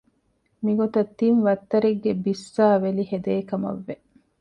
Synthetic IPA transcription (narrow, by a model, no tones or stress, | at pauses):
miɡot̪ɐt̪ːinʋɐt̪ːɐɾiɡːebisːaːʋelihed̪eːkɐmɐ̰ʋːe